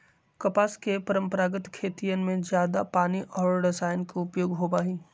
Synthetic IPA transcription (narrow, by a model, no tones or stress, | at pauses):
kɐpaːskepɐɾə̃mpəɾaːɡət̪kʰeːt̪ijənmẽd͡ʒjaːd̪apaːniʔɔːɾɖɪsaːjnkoʊpjoːɡɦobaːɦiː